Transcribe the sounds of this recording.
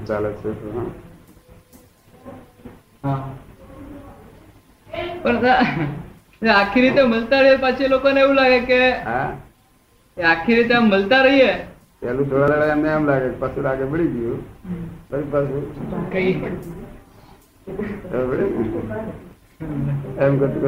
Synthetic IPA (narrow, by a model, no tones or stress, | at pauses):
t͡salətsʰet̪oɦã | ɦã | pəɳt̪a | akʰiɾit̪eməlt̪aɾəijepat͡ʃʰelokəneʋũlaɡekeɦa | akʰiɾit̪eaməlt̪aɾəɦie | palut̪ʰoɽalalajamnejamlaɡek̚pasulaɡebəɽiɡiju | təɾipasukai | əbəɽina | ɛmkət̪